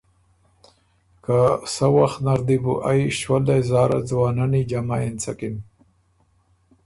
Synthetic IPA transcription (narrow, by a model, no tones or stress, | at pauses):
kasawaxt̪naɾd̪ibuʔajʃwald̪ajzɑːɾa̰d͡zwɑːnanid͡ʒamaint͡sakin